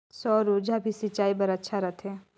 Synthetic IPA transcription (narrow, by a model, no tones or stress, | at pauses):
sɔːɾud͡ʒabʱisɪt͡ʃaːipɐɾɐtːʃʰaɾɐt̪ʰɛ̃ː